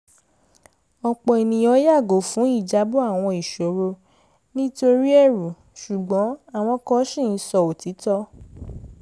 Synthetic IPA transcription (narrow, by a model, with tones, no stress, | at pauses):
ɔ˧k͡pɔ˧e˨nĩ˨j̃ɔ˧˦ja˦˨ɡo˨fũ˨˦i˦˨d͡ʒa˨˦bo˦a˦˨w̃ɔ̃˧i˨ʃo˨ɾo˧ | nĩ˦to˧ɾi˦ɛ˦˨ɾu˨ | ʃu˨ɡ͡bɔ̃˨˦a˦˨w̃ɔ̃˧kɔ˧˦ʃĩ˦˨n̩˦sɔ˧˨o˨ti˨˦tɔ˦